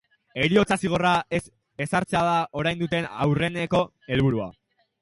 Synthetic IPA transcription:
e̞ɾio̞t͡sasiɣ̞o̞raes | e̞saɾt͡seaðao̞ɾajnd̪ut̪e̞nawre̞ne̞ko̞ | e̞lβuɾua̰

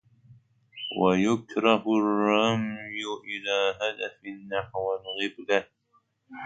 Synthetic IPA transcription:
wajʊkɾɑhʊrˤːɑmjʊʔɪlaːɦad̪afɪnːaħwalɣɪbla

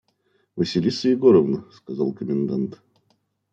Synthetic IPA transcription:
vəsʲɪlʲisəjɪɡoɾəvnəskɐzalˠkəmʲɪnd̪ant̪

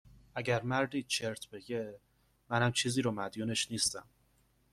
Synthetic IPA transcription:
ʔæɟæɾmæɾd̪iːt͡ʃʰe̞ɾt̪ʰbe̞ɟe̞ | mænæmt͡ʃʰiːziːɾoːmæd̪juːne̞ʃniːst̪æm

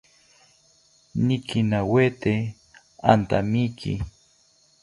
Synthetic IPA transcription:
nikinawet̪e | a̰nt̪amikʰḭ

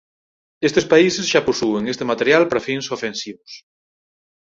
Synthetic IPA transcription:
est̪espaisezʒaposueŋest̪emat̪eɾjalpaɾafinsofensiβos

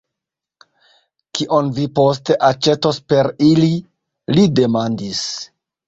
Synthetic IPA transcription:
kiʔo̞nvipo̞ste̞ʔat͡ʃe̞tospe̞ɾili | lide̞mandis

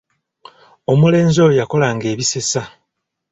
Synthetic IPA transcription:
o̞mule̞ːnzojako̞laːŋɡe̞ːβise̞sa

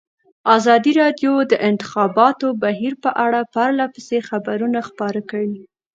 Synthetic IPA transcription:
azɑd̪iɾɑd̪jod̪əʔɪnt̪ɪ̥xɑbɑt̪obaɦiɾpəʔaɽapaɾlapəsexabaɾunaxpɑɾakəwi

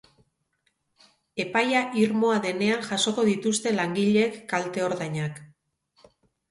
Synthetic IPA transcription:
e̞pajaʔiɾmo̞aðe̞ne̞aŋʝaso̞ko̞ðit̪ust̪e̞laŋɡiʎe̞kːalt̪e̞o̞ɾðajɲak

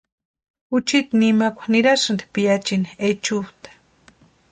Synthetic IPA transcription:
ut͡ʃit̪nimakʷḁniɾasand̪i̥pijat͡ʃiniet͡ʃut̪ḁ

